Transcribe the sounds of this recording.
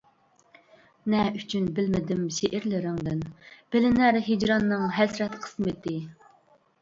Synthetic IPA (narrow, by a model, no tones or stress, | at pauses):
nɛyt͡ʃʰynbɪlmɪd̪ɪmʃeʔɪɾlɪɾɪŋd̪ɪnb̥ɪlɪnæɾɦed͡ʒɾɑnːɨŋɦɛsɾɛt̪qʰə̥smɨt̪ʰɪ